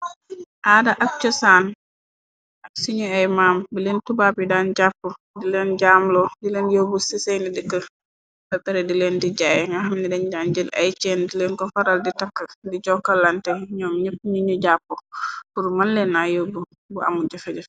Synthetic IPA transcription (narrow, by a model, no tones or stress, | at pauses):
ʔaːdɐʔɐk̚t͡ʃɔsaːn | ɐksiɲuɛjmaːmbilentubabidaːnɟapːo | dilɛnɟaːmlɔdileɛnjobusisejnidəkːə | sɐtɐɾɛdilɛndiɟaːjŋɡaɦɐmnidɛnɟaːnd͡ʒəlɐ̰jt͡ʃɛːndilenkɔfɐɾalditɐkːɐdiɟɔkːɐlːantɛɲɔːmɲəpːiɲuɲuɟaːpːopuɾmanlɛnːajobu | bua̰muɟɐfɛɟɐ